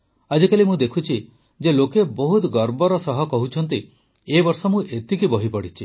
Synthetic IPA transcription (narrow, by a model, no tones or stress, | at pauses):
ad͡ʒɔkalimũd̪ekʰut͡ʃʰi | d͡ʒelokebɔɦut̪ɡɔɾbɔɾɔsɔɦɔkɔɦut͡ʃʰɔnt̪̬i | ebɔɾsɔmũʔet̪ikibɔɦipɔɽit͡ʃʰi